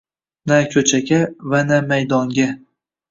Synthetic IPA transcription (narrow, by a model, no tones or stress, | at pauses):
nakʲʰɵt͡ʃʰaɡʲavanamajd̪ɒŋɡʲa